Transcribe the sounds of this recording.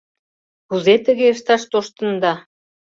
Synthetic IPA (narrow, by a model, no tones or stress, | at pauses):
kuzet̪ə̆ɣeəʃt̪ɑʃt̪oʃt̪ə̆nd̪ɑ